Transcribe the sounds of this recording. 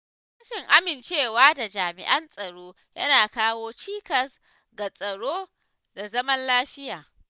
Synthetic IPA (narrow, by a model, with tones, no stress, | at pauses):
ʃɪ˨ŋʔa˦mɪ˨nt͡ʃeː˦˨waː˦da˨d͡ʒaː˨mɪ̰˨ʔɐ˦nsʼɐ˨ɽoː˦ | jɐ˦naː˨kaː˦woː˦t͡ʃiː˦kɐ˨s | ɡa˨sʼɐ˨ɽoː˦ | da˨zɐ˦mɐ˦nlaː˦ɸɪ˦jaː˨